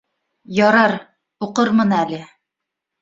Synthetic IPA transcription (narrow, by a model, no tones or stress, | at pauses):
jɒɾɑɾ | uqɤɾmɤnælɘ